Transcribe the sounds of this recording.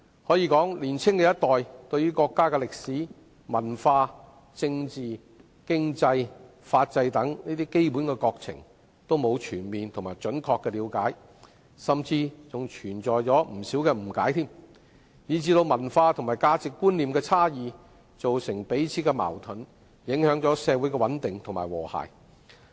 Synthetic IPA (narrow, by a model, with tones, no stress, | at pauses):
hɔː˨˥jiː˨˧kɔː˨˥ŋliː˨˩nt͡sʰɪ˥ŋkɛː˧jɐ˥t̚t̪ɔː˨jt̪ɵ˧ɥyː˥kɔː˧kːaː˥kɛ˧lɪ˨k̚siː˨˥ | mɐ˨˩nfaː˧ | t͡sɪ˧ŋt͡siː˨ | kɪ˥ŋt͡sɐ˧j | faː˧t̚t͡sɐ˧jt̪ɐ˨˥ŋniː˥t̪iː˥ke˥jpuː˨˥nkɛː˧kɔː˧k̚t͡sʰɪ̰˨˩ŋ | t̪o˥wmo˨˧wt͡ʃʰyː˨˩nmiː˨nt̪ʰʊ˨˩ŋmaː˨˩jt͡ʃɵ˨˥nkʰɔː˧kːɛː˧liː˨˧˥wkaː˨˥j | sɐ˨mt͡siː˧t͡sʊ˨ŋt͡ʃʰyː˨˩nt͡sɔː˨jt͡sɔː˨˥m̩˨˩siː˨˥wkɛː˧m̩˨˩kaː˨˥jt̪ʰiː˥m | jiː˨˧t͡siː˧t̪o˧wmɐ˨˩nfaː˧t̪ʰʊ˨˩ŋmaː˨jkaː˧t͡sɪ˨kːuː˥nliː˨mkɛː˧t͡sʰaː˥jiː˨ | t͡so˨wsɪ˨˩ŋpe˨˥jt͡sʰiː˨˧˥kɛ˧ma̰ː˨˩wt̪ʰɵ˨˥n | jɪ˨˥ŋhœː˨˥ŋt͡sɔː˨˥sɛː˧wuː˨˥jkɛː˧wɐ˨˥nt̪ɪ˨ŋt̪ʰʊ˨ŋmaː˨˩jwɔː˨˩ha̰ː˨˩j